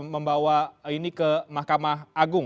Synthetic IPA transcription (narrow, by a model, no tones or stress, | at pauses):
mə̃mbawainikəmahkamaɦʔaɡʊŋ